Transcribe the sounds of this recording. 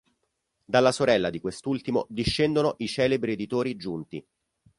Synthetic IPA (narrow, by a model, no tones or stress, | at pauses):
d̪alːasoɾɛlːad̪ikwest̪ult̪imod̪iʃːɛnd̪onoʔit͡ʃɛːlebɾied̪it̪oːɾid͡ʒunt̪ḭ